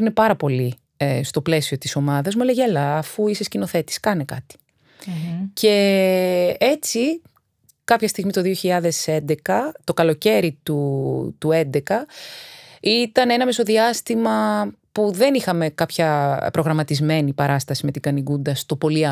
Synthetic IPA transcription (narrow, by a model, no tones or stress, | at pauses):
ɾinepɐɾɐpo̞li | st̪o̞ple̞sio̞t̪iso̞mɐðɐzmeleʝelɐːfuisescino̞θe̞t̪i̥skɐnekɐt̪i̥ | ce̞ | e̞t͡si | kɐpçɐst̪iɣmit̪oðio̞çiʎɐðe̞se̞nd̪e̞kɐt̪o̞kɐlo̞ce̞ɾit̪ut̪ue̞nd̪e̞kɐ | it̪ɐne̞nɐmeso̞ðiɐst̪imɐpuðe̞nixɐme̞kɐpçɐpɾo̞ɣɾɐmɐt̪izme̞nipɐɾɐst̪ɐsime̞t̪iɡɐniɡund̪ɐst̪o̞po̞liɐ